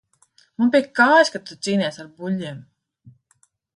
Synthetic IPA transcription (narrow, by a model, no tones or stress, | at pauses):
munp̬ʲiɛkkːaːjʃkat̪ut̪siːnʲɛsaɾbulʲːiɛm